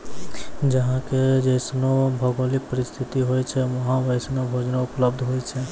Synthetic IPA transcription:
d͡ʒɐɦãked͡ʒesnobʱɐɡoːlɪk̚pəɾɪst̪ʰɪt̪iɦoːit͡ʃʰɛʋɐɦãʋəjsnobʱoːd͡ʒnaʊpləbd̪ʱɦoːit͡ʃʰe

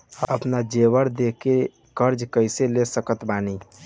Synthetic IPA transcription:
əpnad͡ʒeʋəɾd̪eke | kəɾd͡ʒkəjselesəkət̪bani

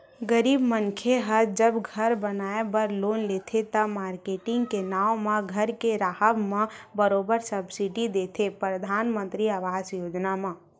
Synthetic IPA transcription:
ɡəɾiːbmənkʰeɦəd͡ʒəbɡʱəɾbənaːebəɾloːnleːt̪ʰet̪əmaːɾkeːʈɪ̃ŋɡkenaːõmãɡʱəɾkeɾaːɦəbmãbəɾoːbəɾsəbsiɖid̪eːt̪ʰepɾəd̪ʱaːnmə̃nt̪ɾiaʋaːzjoːd͡ʒnamã

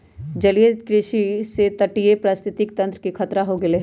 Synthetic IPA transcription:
d͡ʒɐlijəd̪kɾɪʃiset̪ɐʈijepɾaːst̪ʰɪt̪ɪk̚t̪ɐ̃nt̪ɾəkikʰɐt̪ɾaɦoɡɪleɦ

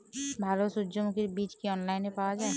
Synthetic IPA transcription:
bʱalosudd͡ʒomukiɾbit͡ʃkiɔnlaɪnepawad͡ʒae

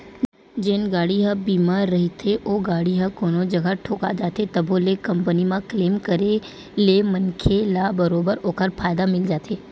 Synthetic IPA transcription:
d͡ʒeːnɡaːɽiɦɐbiːmaːɾːɐɦit̪ʰeʔoːɡaːɽiɦɐ̃koːnod͡ʒɐɡʱaʈʰoːka̰d͡ʒaːt̪et̪ɐbʱolekɐ̃mpənimãkleːmkəɾe | lemɐnkʰelabəɾoːbəɾoːkəɾpʰaːjd̪amɪld͡ʒaːt̪ʰeː

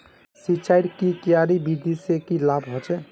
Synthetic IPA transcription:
sit͡ʃajɾkikijaɾibid̪ʱisekilabɦot͡ʃɛ

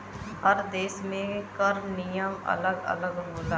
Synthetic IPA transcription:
ɦəɾd̪eːsmẽkəɾmnɪjəmə̰ləɡə̰ləɡɦoːlaː

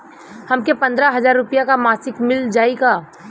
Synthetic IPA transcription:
hɐmkepɐ̃nd̪ɾaɦɐzaːɾːʊpijakamaːsɪkmɪld͡ʒaːiɡaː

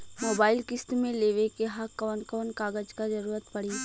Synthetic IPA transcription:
moːbaːɪlkɪst̪mẽleːʋekeɦakɔːnkɔːnkaːɡəd͡ʒkazɐɾuːɾət̪pɐɽiː

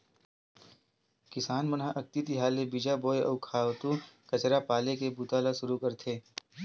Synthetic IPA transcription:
kɪsaːnmɐnɦaʔɐk̚t̪it̪iɦaːlebid͡ʒaboːeɐ̰ːkʰaːʋt̪ukɐt͡ʃɾapaːlekebut̪aːlaʃʊɾukəɾt̪ʰeː

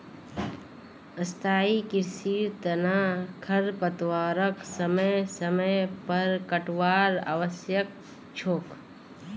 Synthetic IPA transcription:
əst̪ʰaːikɪɾsiːɾt̪ənaːkʰəɾpət̪waːɾəksəməjsəməjpəɾkəʈwaːɾa̰ːʋəsjək̚ | t͡ʃʰoːk

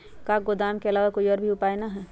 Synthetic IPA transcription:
kaːɡod̪aːmkeɐlaːʋakoːiɔːɾbʱiʊpaːenaɦɛː

